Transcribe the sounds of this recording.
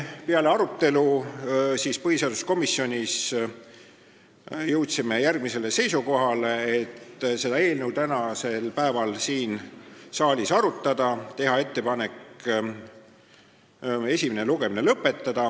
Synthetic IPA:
peɑle̞ɑɾut̪ˑːe̞lu | siːspɤɦiseɑd̪̥usko̞misːjo̞nʲis | jɤwt̪sime̞jærɡ̥̚mise̞le̞se̞jsuko̞ɦɑleet̪ːse̞d̪̥ɑe̞ːlne̞wt̪ænɑse̞lpæevɑlsiːnsɑːlʲisɑɾut̪ˑːɑd̪̥ɑt̪e̞ɦɑe̞t̪ːe̞pɑne̞k | e̞sʲimineluɡ̥e̞minelɤpːˑe̞t̪ːɑd̪̥ɑ

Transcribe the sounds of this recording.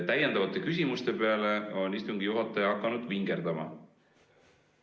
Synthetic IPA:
t̪æjend̪ɑvɑt̪ːˑe̞kys̬ʲimust̪e̞pe̞ɑle̞o̞nist̪uŋɡ̥ijuɦɑt̪ːˑɑjɑɑkˑːɑnud̪̥viŋɡ̥e̞ɾd̪ɑmɑ̰

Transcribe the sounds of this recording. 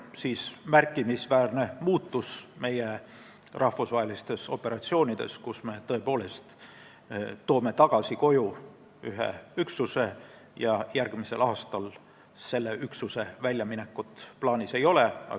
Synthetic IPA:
siːsmærkːˑimisvæːrne̞muːt̪ˑːusme̞je | rʔɑhfusvɑɦe̞list̪e̞so̞̰pːe̞ɾɑt̪sio̞ːnʲid̪̥e̞̰skusme̞t̪ɤe̞po̞ːle̞st̪ | t̪o̞ːme̞t̪ɑɡ̥ɑsiko̞ju | yɦḛyksuse̞ | jɑjærɡ̥mise̞̰lɑːst̪ɑl | se̞lːe̞ʔyksuse̞vælʲjɑmine̞kːˑut̪ˑplɑːnʲisejo̞le̞ɑ̰

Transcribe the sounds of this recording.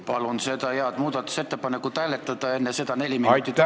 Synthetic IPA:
pɑlunse̞d̪ɑjeɑd̪muːd̪̥ɑt̪ːˑu̥se̞t̪ːepɑnekːut̪æilet̪ːˑɑd̪̥ɑe̞nːese̞d̪ɑne̞lʲimiɑjt̪ːi

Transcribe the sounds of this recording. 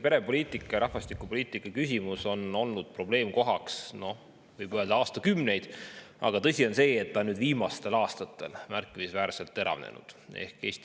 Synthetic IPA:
pe̞ɾe̞po̞lʲiːt̪ˑikːˑɑjɑɾʔɑhvɑst̪ikːˑupo̞liːt̪ːˑikːˑɑkys̬ʲimuso̞no̞lnud̪̥̚pro̞ble̞ːmko̞ɦɑksno̞ | vɯjb̥øːld̪ɑɑːst̪ɑkymne̞jd̪̥ɑ̰ɡ̥ɑt̪ɤ̞sʲio̞nse̞ːt̪ːɑnyːd̪viːmɑst̪e̞lɑːst̪ɑt̪ːˑe̞lmærkːˑimisvæːɾse̞lt̪ːe̞ɾɑ̰vnḛnʔṵd̪̥e̞̰hke̞ːst̪i

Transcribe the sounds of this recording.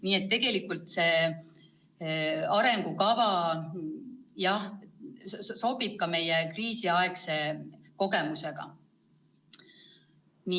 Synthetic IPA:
niːe̞t̪ːe̞ɡ̥e̞likːˑult̪se̞ː | ɑɾe̞ŋɡ̥ukɑvɑ | jɑh | so̞b̥ib̥̚kɑme̞jekriːsiɑekse̞ | ko̞ɡe̞muse̞ɡ̥ɑ̰ | ni

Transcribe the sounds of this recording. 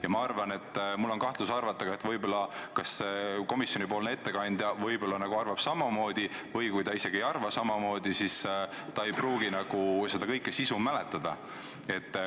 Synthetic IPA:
jɑmɑɑrvɑne̞t̪ːˑmulːo̞nkɑht̪lusɑrvɑt̪ːˑɑɡɑe̞t̪vɤjbolːɑkɑseko̞misjonʲipoːlnee̞t̪ːe̞kɑnʲd̪̥jɑvɤjbolːɑnɑɡ̥uɑrvɑb̥sɑmɑmo̞ːd̪̥ʲivɤjkujt̪ɑise̞ɡ̥ie̞jɑrvɑsɑmɑmo̞ːd̪̥ʲisis | t̪ɑe̞jpruːɡ̥inɑɡ̥use̞d̪̥ɑkɤjkːˑe̞sisumːæle̞t̪ːˑɑd̪̥ɑ | e̞t̪ː

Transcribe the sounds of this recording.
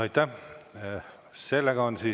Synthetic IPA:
ɑjt̪ːæ | se̞lːeɡɑonsiː

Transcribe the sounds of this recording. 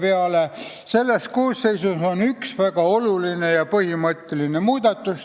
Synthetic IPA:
peɑle | se̞lːest̪̚koːsːe̞jsuso̞nyksvæɡ̥ɑo̞luline̞jɑpɤhimɤt̪ˑːe̞line̞muːd̪̥ɑt̪ːˑus

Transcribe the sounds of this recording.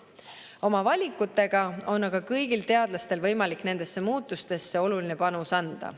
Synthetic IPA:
o̞mɑvɑlʲikːˑut̪ːˑe̞ɡ̥ɑo̞nːɑɡ̥ɑkɤjɡ̥ilt̪e̞ɑd̪lɑst̪e̞lvɤ̞jmɑlikːne̞nd̪̥e̞sːemuːt̪ːˑust̪e̞sːe̞o̞luline̞pɑnusɑnd̪̥ɑ̰

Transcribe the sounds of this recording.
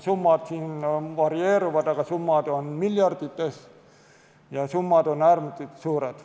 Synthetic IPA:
sumːɑt̪siːnʋɑrieːɾuʋɑt̪ɑkɑsumːɑːd̪onmiljɑrd̪̥it̪ːes | jɑsumːɑˑd̪onærmut̪ːit̪suːɾet̪

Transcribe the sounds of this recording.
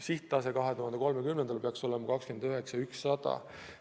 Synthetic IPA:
siht̪ˑːɑs̬ekɑɦe̞t̪uɦɑnd̪eko̞lmekymnend̪̥ɑlpeɑkso̞lemɑkɑkskyend̪øɦeksɑyksːɑd̪̥ɑ̰

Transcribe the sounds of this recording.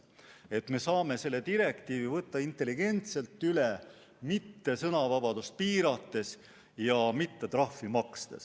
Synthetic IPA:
e̞t̪ːˑme̞sɑːme̞se̞lːe̞t̪iɾe̞kt̪iːvivɤt̪ːɑint̪ːˑe̞lːiɡ̥e̞nt̪se̞lt̪ˑːyle | mit̪ːe̞sɤnɑvɑbɑd̪̥ust̪̚piːɾɑt̪ːe̞s | jɑmit̪ːe̞t̪rɑhfːimɑkst̪es

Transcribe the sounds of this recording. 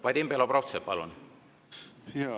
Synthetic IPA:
vɑjd̪embeloprowt̪sepɑlṵn | ja

